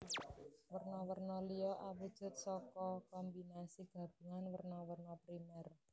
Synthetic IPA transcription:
wərnɔwərnɔlijɔʔabud̥ʒ̥ʊ̤t̪̚sɔkɔkɔmbinasiɡ̥a̤b̥ṳŋanwərnɔwərnɔpɾimɛr

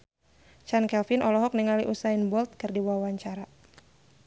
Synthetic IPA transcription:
t͡ʃankɛlfinʔɔlɔɦɔk̚niŋaliʔusainbɔlt̪̚kɨrdiwawaɲt͡ʃaɾa

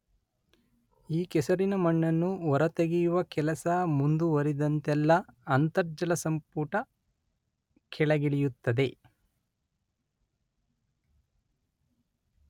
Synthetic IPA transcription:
iːkɛsɐɾinɐmɐɳːɐnːuɔɾɐt̪eɡijuʋɐkɛlɐsɐmund̪uʋɐɾid̪ɐnt̪ɛlːɐːnt̪ɐɾd͡ʒɐlɐsɐmpuːʈɐ | kʰɛɭɐɡiɭijut̪ːɐd̪e̞

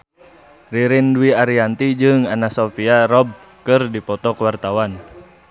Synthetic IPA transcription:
riɾinduwiaɾiant̪id͡ʒɨŋanasɔfiaɾɔb̚ | kɨrdipɔt̪ɔkwart̪awan

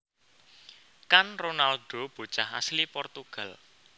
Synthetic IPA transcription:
kanronalɖ̥o̤b̥o̤t͡ʃaha̰slipɔrt̪uɡ̥ä̤l

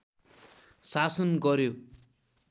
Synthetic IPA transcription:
sasʌnɡʌɾjo

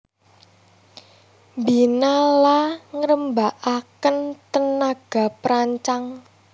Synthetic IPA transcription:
mbinalaŋəɾəmbaʔakənt̪ənaɡ̥a̤pɾaɲt͡ʃaŋ

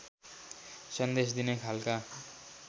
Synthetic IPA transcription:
sʌnd̪es̬d̪inekʰalka

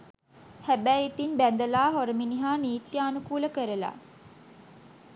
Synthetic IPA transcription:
hæbæjit̪inbænd̪əlaːɦoɾəminiɦaːniːt̪jaːnukuːləkəɾəla̰

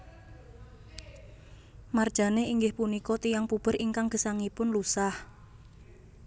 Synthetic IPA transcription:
mard̥ʒ̥a̤neiŋɡɪhpunikɔt̪ijaŋpub̥ə̤ɾiŋkaŋɡ̥ə̤saŋipʊnlusah

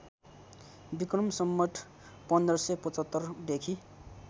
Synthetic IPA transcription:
bikrʌmsʌmːʌʈʰ | pʌnd̪rʌsʌpʌt͡sʌt̪ːʌrd̪ekʰi

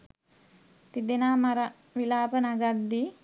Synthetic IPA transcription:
t̪id̪enaːmaɾa | ʋilaːpənaɡad̪ːi

